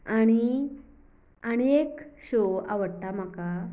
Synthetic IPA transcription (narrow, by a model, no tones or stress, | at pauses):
aɽ̃i | añekɕoa̰ʋəɽt̪am̤aka